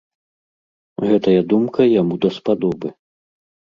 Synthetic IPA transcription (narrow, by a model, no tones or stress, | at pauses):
ɣɛt̪ɐjɐd̪umkʰɐjamud̪ɐspad̪ɔbɨ